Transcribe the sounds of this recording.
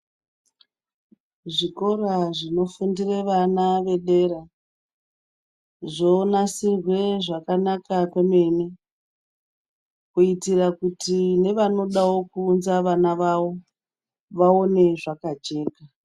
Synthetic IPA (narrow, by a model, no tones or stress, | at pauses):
ʐiko̞raʐino̞fundireʋanaʋe̞ɗe̞ra | ʐo̞nasirwe̞ʐakanakakeme̞mi | kuitirakutine̞ʋano̞ɗawo̞kuːnzaʋanaʋawo̞ | ʋao̞ne̞ʐakat͡ʃe̞ːka